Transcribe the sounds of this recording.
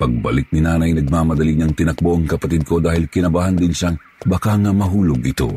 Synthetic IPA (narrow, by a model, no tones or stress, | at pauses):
pɐɡ̚bɐ̰lɪk̚nɪnaːnɐjnɐɡ̚mamɐd̪ɐliɲɐŋt̪ɪnɐk̚boʔɐŋkɐpɐt̪id̪̚kʰo̞d̪aːhɪlkɪnɐbaːhɐnd̪ɪnʃaŋ | bakaŋɐmɐɦuːloɡʔɪt̪o̞̰